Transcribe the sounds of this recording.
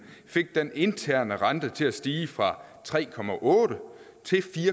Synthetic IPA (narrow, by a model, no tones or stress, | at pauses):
fe̝ɡ̥̚d̥ene̝nt͡sʰæɐ̰nəʁɑ̈nd̥ət͡sʰe̝læsd̥iːfʁɑ̈t͡sʰʁɛ̰ːkʰɒ̽mæʔɔ̽ːɾ̥ə | t͡sʰe̝lfiːɐ